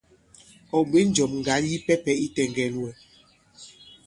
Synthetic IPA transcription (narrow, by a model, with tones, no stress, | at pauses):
ɔ˨be˦n˦d͡ʒɔ˨mŋ̩˨ɡa˨˦nji˦pɛ˦pɛ˦i˦tɛ˨ŋɡɛ˨lwɛ˨